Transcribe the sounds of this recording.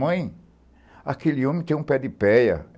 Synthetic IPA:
ɐ̃j̃ | akeliõmɪ̃t̪ẽj̃ũpɛd̪ɪpɛjɐ̰

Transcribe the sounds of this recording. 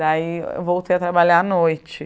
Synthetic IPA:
aiḛvowt̪ejɐt̪ɾabaʎaanojt͡ʃɪ

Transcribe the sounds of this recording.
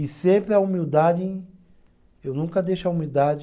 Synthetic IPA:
ɪsẽmpɾɪɐumiwd̪ad͡ʒẽ | ewnũkɐd̪ejʃʊɐumiwd̪ad͡ʒ

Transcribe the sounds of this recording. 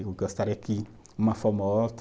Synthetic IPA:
uɡɔst̪aɾeki | mafɔmɔɔt

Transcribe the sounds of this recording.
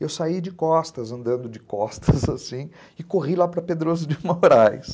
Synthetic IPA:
ewsaid͡ʒɪkɔst̪ɐzɐ̃nd̪ɐ̃nd̪ʊd͡ʒɪkɔst̪ʰɐzasĩ | ɪkoʁilapɾɐped̪ɾozʊd͡ʒɪũmoɾajs

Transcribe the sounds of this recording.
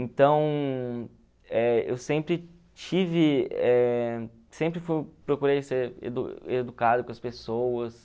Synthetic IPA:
ẽt̪ɐ̃w̃ | ɛḛwsẽmpɾɪ | t͡ʃivɪɛ | sẽmpɾɪfujpɾokuɾejseɾḛd̪ṵed̪ukad̪ʊkõɐspesowɐs

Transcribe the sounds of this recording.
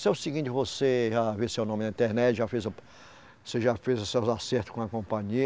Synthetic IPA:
seʊsiɡĩt̪ɪvoseʒavesewnõmɪd̪ɐĩnt̪ɛɾnɛt͡ʃɪʒafezʊ | seʒafezʊsewzaseɾt̪ʊ̥skõɐkõpɐ̃ɲi

